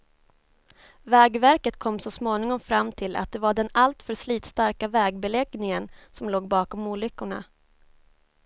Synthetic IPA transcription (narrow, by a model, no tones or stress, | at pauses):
vɛːɡvæɾkət̪kʰɔmːsɔsmoːnɪŋɔmfɾamːt̪ʰɪlʔa̰t̪̚d̪ɛvaɖɛnalt̪fœʂliːt̪st̪aɾkavɛːɡbɛlɛɡnɪŋənsɔmloːɡbɑːkɔmuːlʏkːʊɳa̰